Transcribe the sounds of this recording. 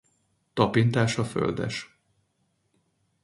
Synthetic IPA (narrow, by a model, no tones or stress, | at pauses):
t̪ɒpint̪aːʃɒfø̰ld̪ɛ̰ʃ